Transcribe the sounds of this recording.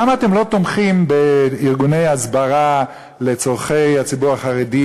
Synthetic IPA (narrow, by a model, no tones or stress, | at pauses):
amaːtemlo̞t̪omχimbeiʁɡunejazbaʁa | le̞t͡so̞ʁχe̞jhat͡sibuʁaχaʁedi